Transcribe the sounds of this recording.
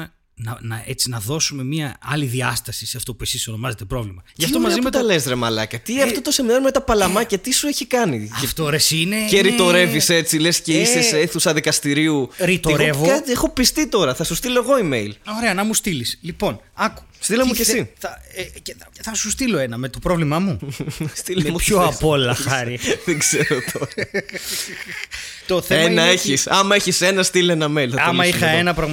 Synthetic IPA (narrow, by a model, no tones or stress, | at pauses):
e | nɐnɐe̞t͡sinɐðo̞sume̞miɐɐ̰liðiɐst̪ɐsiseɐft̪o̞pue̞siso̞no̞mɐze̞t̪e̞pɾo̞vlimɐʝɐft̪omɐzimet̪ɐlezɾemɐlɐkɐt̪iɐft̪ot̪oseminɐɾmet̪ɐpɐlɐmɐcɐt̪isueçikɐniɐft̪oɾesineeɾit̪o̞ɾe̞vise̞t͡silesceisesseθusɐðikɐst̪iɾiuɾit̪oɾe̞vot̪exo̞pist̪it̪o̞ɾɐθɐsust̪ilo̞eɣo̞imejloɾeɐnɐmust̪ilislipo̞nɐku̥st̪ilɐmucesiθɐceɐθɐsust̪iloenɐmet̪o̞pɾovlimɐmust̪ilemupçoɐpolɐɐɾiðeɡz̥eɾot̪ʰoɾɐ | t̪oθenɐeçisɐmɐeçisenɐst̪ilenɐmeloɐmɐixɐenɐpɾɐɣm